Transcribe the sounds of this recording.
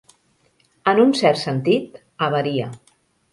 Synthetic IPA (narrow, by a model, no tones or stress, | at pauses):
ənunsɛrt̪sənt̪it̪ | əβəɾiə